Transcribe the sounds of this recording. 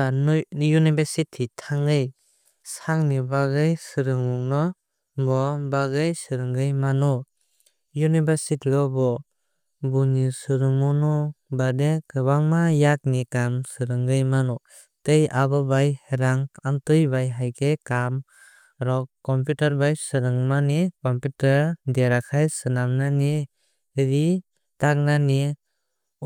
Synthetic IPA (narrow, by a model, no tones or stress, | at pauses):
anjunibaɾsitʰitʰaŋɡɯj | saŋnibaɡɯjsɯɾɯŋmuŋnɔ | bɔbaɡɯjsɯɾɯŋɡɯjmanɔ | junibasitʰilɔbɔ | bunisɯɾɯŋmɔnɔbadekɯbaŋmajak̚nikamsɯɾɯŋɡɯjmanɔ | tejabɔbajheɾaŋantɯjbajɦajkekam | ɾɔkɔmpjutaɾbajsɯɾɯŋmanikɔmputaɾdeɾakʰajsɯnamnani | ɾi | tak̚nani